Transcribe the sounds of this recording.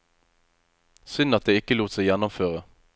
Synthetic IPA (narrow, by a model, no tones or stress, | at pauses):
sʏnɑt̪̚d̪eːɪkəluːt̪sæɪjænʊmføːʁə